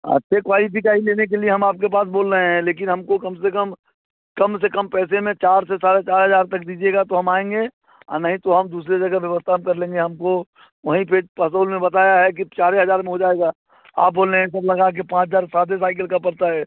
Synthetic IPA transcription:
ə̰ʃekʋaːipik̬aːileːnek̬elieɦɐmaːp̚kep̬aːsboːlɾəɦẽɦɛ̃leːk̬ɪnɦɐmkokɐmsekəm | kɐms̬ekɐmpɛːsemẽt͡ʃaːɾsesaːɾet͡ʃaːɾɦɐzaːɾt̪ɐk̚d̪iːd͡ʒieɡat̪oɦɐmaːẽːŋɡe | a̰ːnəɦĩt̪oɦɐmd̪uːs̬ɾed͡ʒɐɡaʋjəʋəst̪ʰaɦmkɐɾlẽːŋɡeɦɐmko | ʋɐɦĩpʰepəs̬oːlmẽbɐt̪aːjaɦɛk̬it͡ʃaːɾeɦɐzaːɾmẽɦod͡ʒaːeːɡaː | a̰ːp̚boːleɦɛ̃s̬ɐblɐɡak̬epãːt͡ʃd͡ʒaːɾsaːd̪es̬aːɪk̬əlkapɐɾt̪aɦɛː

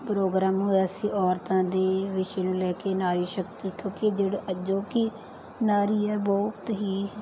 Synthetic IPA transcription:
pɾoːɡɾaːmɦoːɛəsĩːʔɔːɾt̪ãːd̪eːʋɪʃeːnũːlɛːkeːnaːɾiːʃəkt̪iːkjõːkɪd͡ʒeːɽəd͡ʒoːkɪ | naːɾiːɛːbɔːʊt̪ɦiː

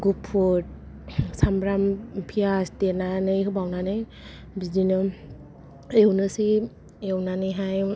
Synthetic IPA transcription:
ɡupʰːot̚ | samɾampʰijasdenanɯjɦɯbawnanɯj | bizinɯ | ewnɯsi | ewnanɯjɦaj

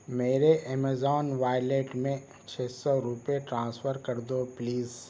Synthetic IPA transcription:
meːɾeʔɛːmezɔːnʋaːjleːʈmẽ | t͡ʃʰeːsɔɾupeʈɾãːsfəɾkɐɾd̪opliːz

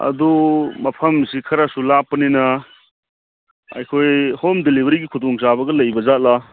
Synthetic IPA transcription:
ɐ̰dumɐpʰɐmsikʰɐɾasulapːɐninɐ | ɐ̰jkʰojhomdelibɐɾiɡikʰudɔŋsabɐɡɐlɐjbɐzat̚la

